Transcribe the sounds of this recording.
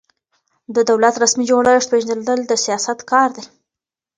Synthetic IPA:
d̪əd̪awlat̪ɾasmid͡ʒoɽəʂt̪̚peʒnd̪əled̪əld̪əsijɑsat̪kɑɾd̪e

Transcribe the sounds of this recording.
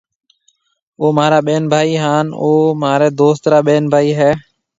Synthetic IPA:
oːmaːɾaːɓeːnbʱaːiːɦaːnoːmaːɾɛːd̪oːst̪ɾaːɓeːnbʱaːiːɦɛː

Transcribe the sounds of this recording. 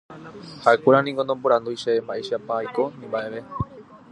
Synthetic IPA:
haʔekʷeɾanĩŋɡonomboɾãnd̪ujʃeembaʔeʃapajko̞nĩmbaʔe̞ʋe̞

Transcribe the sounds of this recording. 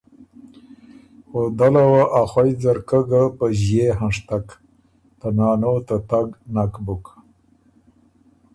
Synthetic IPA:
xod̪alawaʔaxwajd͡zaɾkəɡapəʑjeɦanʂt̪ak | t̪anɑːnot̪at̪aɡnakbʊk

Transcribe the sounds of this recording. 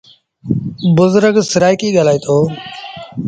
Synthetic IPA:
bʊzɾəɡsɪɾaːikiːɠaːlaːiːt̪ʰoː

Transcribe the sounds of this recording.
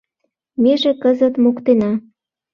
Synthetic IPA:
meʒĕkəzə̆t̪mokt̪enɑ

